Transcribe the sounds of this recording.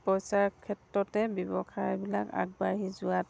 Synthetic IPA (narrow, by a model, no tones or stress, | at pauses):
pɔjsaɹkʰɛtɹɔtɛbɔbɔkʰajbilaka̰ɡ̚baɦizʊwat